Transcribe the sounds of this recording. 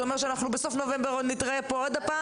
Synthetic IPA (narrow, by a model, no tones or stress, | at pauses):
omeʃeanaχnubeso̞fnovembeʁod̪nit̪ʁaepood̪apa